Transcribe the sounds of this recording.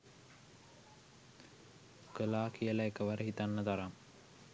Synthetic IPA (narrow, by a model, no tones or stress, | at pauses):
kəlaːkʰijəlaekəʋaɾəɦit̪anːət̪aɾaŋ